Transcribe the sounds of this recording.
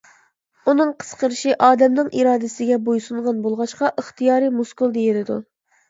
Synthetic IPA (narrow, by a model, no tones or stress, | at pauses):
unɨŋqʰə̥sqəɾɨʃiʔɑːd̪ɛmnɨŋʔiɾɑːd̪ɪsɪɡʲɛbojsuɴʁɑnbolˠʁɑʃqɑʔəχt̪ijɑːɾɨmuskulˠd̪ejilɪd̪u